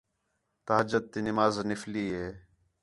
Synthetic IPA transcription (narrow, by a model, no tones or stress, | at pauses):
t̪aɦd͡ʒəd̪̚ːiːnɪmaːznɪfliːɦeː